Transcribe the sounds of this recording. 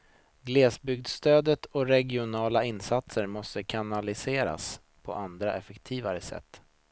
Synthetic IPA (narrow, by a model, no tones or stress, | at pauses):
ɡleːsbʏɡ̚d̪st̪øːd̪ət̪ʰɔɾɛɡɪʊnɑːlaɪnːsat̪səɾmɔst̪əkʰanalɪseːɾa̰s | pʰɔ̰ʔand̪ɾaʔɛfɛkt̪ʰiːvaɾəsɛ̰t̪ː